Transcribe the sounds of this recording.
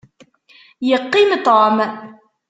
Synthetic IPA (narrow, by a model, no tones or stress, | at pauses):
jəqːimt̪om